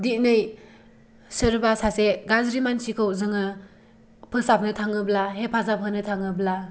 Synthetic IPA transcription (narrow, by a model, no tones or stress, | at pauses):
dit̚nɯj | sɯɾbasaseɡazɾimansikʰɯwzɯŋɯ | pʰɯsap̚ʰnɯtʰaŋɯblaɦepʰazapʰɯnɯtʰaŋɯbla